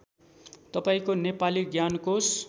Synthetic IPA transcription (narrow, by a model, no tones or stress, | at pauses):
t̪ʌpaĩkonepaliɡjankos